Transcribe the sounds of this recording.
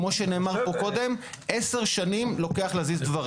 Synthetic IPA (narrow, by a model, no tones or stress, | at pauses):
mo̞ʃene̞ːmaʁpo̞ko̞d̪e̞m | ʔese̞ʁʃanimlo̞keaχlezizd̪vaʁ